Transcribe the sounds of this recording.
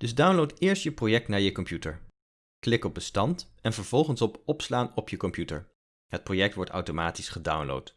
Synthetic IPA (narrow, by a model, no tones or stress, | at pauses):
d̥ɵzdawnlowtɪːɹstjəprojɛk̚tnaːɹjəkɔmpjutəɹ | klɪkɔb̚bəstɑntɛnvəɹv̥ɔlˠχənsɔpɔpslaːnɔpjəkɔmpjutə̰ɹ | ɦət̚projɛk̚tʋɔɹta̰wtomaːtisχəda̰wnlo̰wt